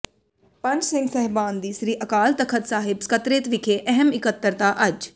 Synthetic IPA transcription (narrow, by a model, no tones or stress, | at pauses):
pə̃ɲd͡ʒsɪ̃ŋɡsɛɦbaːnd̪iːsɾiːʔəkaːlt̪əkʰət̪saːɦɪbskət̪ɾeːt̪ʋɪkʰeːʔɛɦəmɪkət̪ːəɾt̪aːʔɐd͡ʒ